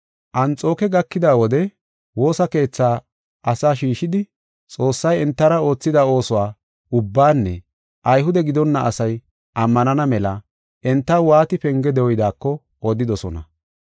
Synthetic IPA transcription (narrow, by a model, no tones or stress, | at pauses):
ʔɐnt͡sʼo̞ːkɛɡɐkːɪd̪aːwɔd̪ɛ | wo̞ːsɐke̞ːt͡sːaː | ʔɐsaːʃiːʃɪd̪ɪ | t͡sʼo̞ːsːɐjɛnt̪ːɐɾɐo̞ːt͡sːɪd̪ɐo̞ːsʊwaː | ʊbːaːnːɛ̰ | ʔɐjɦʊd̪ɛɡɪd̪ɔnːɐʔɐsɐj | ʔɐmːɐnɐnɐmɛlɐ | ʔɛnt̪ːɐwaːt̪ɪpɛŋɡɛd̪ɛwɔjd̪aːkːɔ | od̪ɪd̪ɔsɔnɐ̰